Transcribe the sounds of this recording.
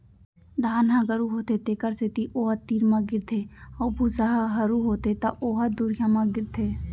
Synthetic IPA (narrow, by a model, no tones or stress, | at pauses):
d̪ʱaːnɦãɡəɾuɦoːt̪et̪ekəɾset̪iʔoːɦət̪iːɾmãɡɪɾt̪ʰeɔːbusəɦɦəɾuɦoːt̪et̪ɐʔoːɦəd̪uɾjamãɡɪɾt̪ʰeː